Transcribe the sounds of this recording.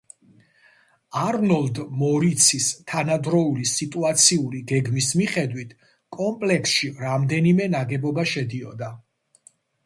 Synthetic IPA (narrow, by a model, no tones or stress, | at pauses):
aɾnɔld̪mɔɾit̪sʰist̪ʰanad̪ɾɔulisit̪ʼuat̪sʰiuliɡɛɡmismiχɛd̪wit̪ʰ | kʼɔmpʼlɛksʃiɾamd̪ɛnimɛnaɡɛbɔbaʃɛd̪iɔ̰d̪a